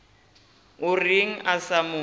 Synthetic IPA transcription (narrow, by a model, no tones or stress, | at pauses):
ʊriŋ̩ʔasamʊː